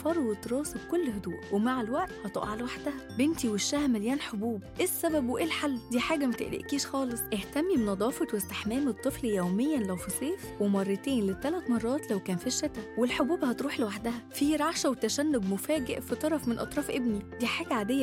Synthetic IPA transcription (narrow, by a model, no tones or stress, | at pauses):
fɑɾˤwet̪ɾˤɑːseb̚kolːhod̪ṵːʔwemaʕelwæʔt̪hɑt̪ˤo̰ʔʕalwaħd̪æhæbent̪iweʃːæhæmæljæːnħobuːbʔesːæbæbweʔeːlħalːd̪iːħaːɡæmæt̪ḛʔlḛʔkiːʃxɑːlesˤʔeht̪æmːibenɑd̪ˤɑːfɑt̪west̪eħmæːmet̪ˤːɨfljæwmejːænlæwfisˤeːfwemɑrˤːɑt̪eːnlet̪ːælæt̪mɑrˤːɑːt̪læwkæːnfiːʃːæt̪æwwelħobuːbhɑt̪ɾuːħlewaħd̪æhæfiːɾˤɑʕʃæwet̪æʃænːoɡmofæːɡeʔfet̪ˤɑɾˤɑfmenʔɑt̪ˤɾˤɑːfʔebnid̪iːħaːɡæʕaːd̪ejːæ